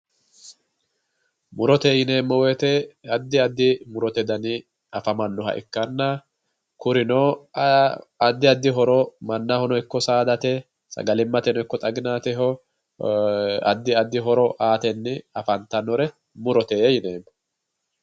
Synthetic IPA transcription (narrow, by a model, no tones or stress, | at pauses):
mʊɾɔt̪eːjɪne̞ːmːɔweːt̪ɛɐd̪ːɪɐd̪ːɪmʊɾɔt̪ɛd̪ɐnɪ | ɐfɐmɐnːɔɦɐ̰ʔɪ̰kːɐnːɐ | kʊɾɪnoː | ɐd̪ːɪɐd̪ːɪɦɔɾɔmɐnːahɔnɔɪkːɔsaːd̪ɐt̪ɛ | sɐ̰ɡɐlɪmːɐt̪ɛnɔɪkːɔt̪ʼɐɡɪnaːt̪ɛɦɔ | ɐ̰d̪ːɪɐd̪ːɪɦɔɾɔʔaːt̪ɛnːɪɐfɐnt̪ɐnɔɾɛ | mʊɾɔt̪eːjɪne̞ːmːɔ̥